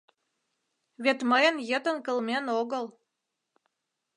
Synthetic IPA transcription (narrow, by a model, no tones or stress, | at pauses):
βet̪məjənjət̪ə̆nkə̆lmenoɣə̆l